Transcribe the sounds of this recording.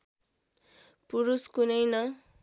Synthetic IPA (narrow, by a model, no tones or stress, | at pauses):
puɾuskunʌjnʌ